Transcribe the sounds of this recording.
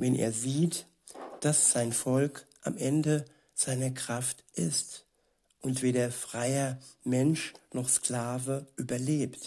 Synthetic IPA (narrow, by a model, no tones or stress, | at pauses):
vɛnʔḛːɐziːt | d̥asz̥aɪnfɔlkʔa̰mʔɛndə | z̥aɪnɐkʁ̥aftʔɪst | ʔʊntv̥eːdɐfʁ̥aɪɐmɛnʃnɔχskl̥aːvəʔyːbɐleːpt